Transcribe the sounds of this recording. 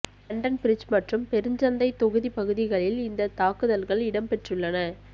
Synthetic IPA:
ɐɳɖɐnpɪɾɪt͡ʃmɐʈrɯmpɛɾɯɲd͡ʒɐnd̪ɐɪt̪ːɔɣɯðipɐɣɯðɪɣɐɭɪlɪnd̪ɐt̪aːkɯðɐlɣɐɭɪɽɐmpɛʈrɯɭːɐnɐ

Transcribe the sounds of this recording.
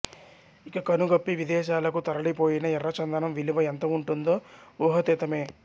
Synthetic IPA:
ikɐkɐnuɡɐpːiʋid̪ɛːʃaːlɐkut̪ɐɾɐɽipo̞ːjinɐɛrːɐt͡ʃɐnd̪ɐnɐmʋiliʋɐent̪ɐuɳʈund̪o̞ːuːɦɐt̪it̪ɐme̞ː

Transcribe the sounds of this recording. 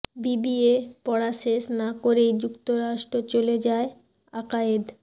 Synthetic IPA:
bibiepɔɽaʃesnakoɾejd͡ʑukt̪oɾaʃʈɾot͡ɕoled͡ʑae | akaed̪

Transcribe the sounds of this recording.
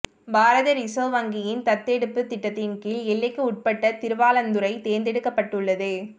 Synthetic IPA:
baːɾɐðɐɾɪsoːʋɐŋɡɪjɪnt̪ɐt̪ːɛɽɯpːɯt̪ɪʈːɐt̪ːɪnkiːlɛɭːɐkːɯʊʈ̚pɐʈːɐt̪ɪɾɯʋaːlɐnd̪ɯɾɐɪt̪eːɾnd̪ɛɽɯkːɐpːɐʈːɯɭːɐðɯ

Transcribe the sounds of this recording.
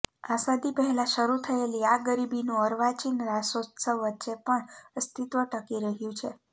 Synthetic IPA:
asad̪ipəɦɛlaʃəɾut̪ʰəeliaɡəɾibinũəɾʋat͡ʃinɾasot̪səʋətːʃepəɳst̪ʰit̪ʋəʈəkiɾəɦjũt͡ʃʰe

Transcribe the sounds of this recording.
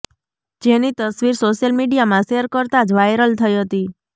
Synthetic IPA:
d͡ʒenit̪əsʋiɾsoʃjəlmiɖijamãseɾkəɾt̪ad͡ʒʋajɾəlt̪ʰəiɦət̪i

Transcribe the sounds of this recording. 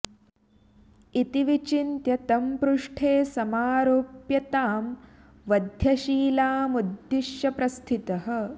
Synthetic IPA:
it̪iʋit͡ʃint̪jɐt̪ɐmpɾuʂʈʰeːsɐmaːɾoːpjɐt̪aːm | ʋɐd̪ʱjɐʃiːlaːmud̪jiʃjɐpɾɐst̪ʰit̪ɐɦə̆

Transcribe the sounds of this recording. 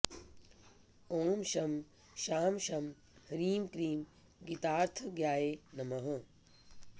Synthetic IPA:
oːmʃɐm | ʃaːmʃɐm | hɐɾiːmkɾiːm | ɡit̪aːɾt̪ʰɡjaːenɐmɐɦə

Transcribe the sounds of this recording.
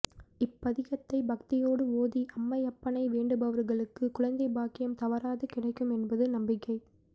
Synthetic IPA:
ɪpːɐðɪɣɐt̪ːɐɪbɐk̚t̪ɪjoːɽɯoːðiʔɐmːɐɪjɐpːɐnɐɪʋeːɳɖɯbɐʋɐɾɣɐɭɯkːɯkʊɻɐnd̪ɐɪbaːkɪjɐmt̪ɐʋɐɾaːðɯkɪɽɐɪkːɯmɛnbɐðɯnɐmbɪkːɐɪ

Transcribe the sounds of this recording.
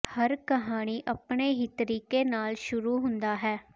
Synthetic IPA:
həɾkəɦaːɽ̃iːʔəpɳeːɦiːt̪əɾiːkeːnaːlʃʊɾuːɦʊnd̪aːɦɛː

